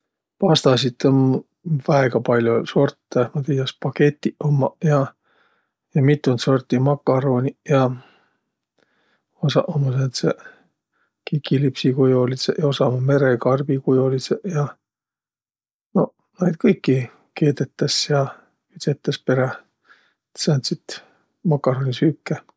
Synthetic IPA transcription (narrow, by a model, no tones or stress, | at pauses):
pɑst̪ɑsit̪on | væeɡ̥ɑpɑlʲjoso̞rt̪ːemɑt̪ijjɑspɑke̞t̪ʲːˑiʔomːɑjɑ | jɑmit̪ːˑunt̪so̞rt̪ːˑimɑkːˑɑɾo̞ːnʲijɑ | osɑʔomɑsent̪se | kikːilipsikujolisḛʔjɑo̞sɑmɑme̞ɾekɑrb̥ikujolisejɑ | no̞ | nɑjd̪kɤjkːi | ke̞ːd̪et̪ːˑɑsjɑ | yt̪set̪ːˑɑspe̞ɾe | et̪sɑnt̪sit̪ | mɑkːˑɑɾoːnʲisykːe